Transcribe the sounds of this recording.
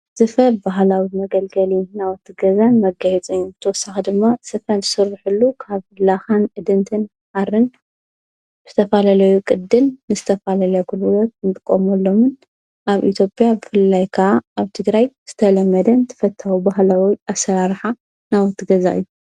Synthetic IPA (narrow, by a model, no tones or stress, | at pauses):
z̥ɨfɐɾbaɦlawimɐɡɐlɡɐlinawɔt̪ʰːɨɡɐzanmɐɡajɛt͡sʼɨɲːubɨt̪ʰɐwɔsːaxid̪ɨmːasɨfɐnzɨsɨɾːɨħɨlːukʰaβlaxanʔɨd̪ɨnt̪ʰɨn | ħaɾɨn | bɨzɨt̪ʰɐfalalɐjukʼɨd̪ːɨlnɨzɨt̪ʰɐfalalɐkʰɨllot̪̚ɨnt̪ʼɨkʼːomɐlːo̞mɨn | ʔaβʔḭt̪ʰjo̞pʼjabɨfɨlːajkʰaaːβt̪ʰɨɡɾajz̥ɨt̪ʰɐlɐmːɐd̪ɐnt̪ʰɨ̥fɐt̪ʰːawubaɦlawiasɐɾaɾħa | nawɔt̪ːɨɡɐza̰ʔɨ̰jːu